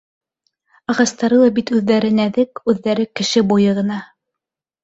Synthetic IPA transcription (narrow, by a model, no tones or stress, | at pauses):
ɑʁɑst̪ɑɾɤlˠɑbit̪ʉðːæɾɘnæðɘkʉðːæɾɘkɘ̆ʃɘbujɤʁɤ̆nɑ